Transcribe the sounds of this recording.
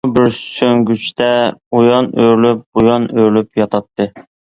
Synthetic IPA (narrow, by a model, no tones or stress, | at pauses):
bɪɾsøŋɡʲyt͡ʃt̪ɛujɑnøɾlyp̚bujɑnøɾlypjɑt̪ʰɑt̪ʰːɨ